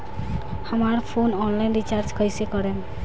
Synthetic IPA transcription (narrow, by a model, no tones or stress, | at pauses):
amaɾpʰonɔnlajnɾit͡ɕaɾd͡ʒkʰɔjsekɔɾen